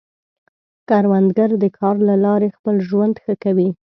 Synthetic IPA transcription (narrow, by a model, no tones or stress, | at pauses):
kɑɾwand̪ɡaɾd̪əkʰɑɾlalɑɾexpəlʒwand̪xəkawi